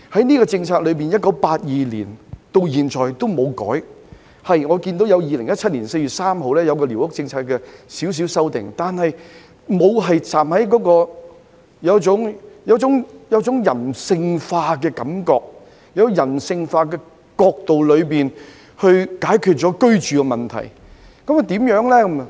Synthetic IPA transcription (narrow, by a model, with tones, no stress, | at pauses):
hɐ˨˥jniː˥kɔː˧t͡sɪ˧ŋt͡sʰaː˧k̚lɵ˨˧ɥpiː˨njɐt̚kɐ˨˥wpaː˧t̚jiː˨lḭː˨˩nt̪o˧wjiː˨˩nt͡ʃʰɔː˨˩jt̪o˥wmo˨˧wkɔ̰ː˨˥j | hɐ˨jŋɔː˨˧kiː˧nt̪o˨˥wjɐ˨˧wjiː˨lɪ˨˩ŋjɐ˥t̚t͡ʃʰɐ˥t̚liː˨˩nse˧jɥyː˨t̚saː˥mɦo˨wlɛː˥jɐ˨˧wkɔː˧li˨˩whʊ˥k̚t͡sɪ˧ŋt͡sʰaː˧kːɛː˧siː˨˥ws̬iː˨˥wsɐ˥wt̪ɪ̰˨˩ŋt̪aː˨nhɐ˨j | mo˨˧wɦɐ˨jt͡saː˨˩mhɐ˨˥jkɔː˨˥kɔː˧ | jɐ˨˧wt͡sʊ˨˥ŋjɐ˨˧wt͡sʊ˨˥ŋjɐ˨˧wt͡sʊ˨˥ŋjɐ˨˩nsɪ˧ŋfaː˧kɛː˧kɐ˨˦mkɔː˧k̚ | jɐ˨˥wkɔ˧jɐ˨˩nsɪ˧ŋfaː˧k̬ɛː˧ | kɔː˧k̚t̪o˨wlɵ˨˧ɥpiː˨n | hɵ˧ɥkaː˨˥jkʰy˨˧t̚t͡sɔː˨˥kɵ˥ɥt͡ʃyː˨kɛ˧mɐ˨˩nt̪ʰɐ̰˨˩j | kɐ˨˥m˧t̪iː˨˥mjœː˨˥ŋlɛː˥kɐ˨˦m˨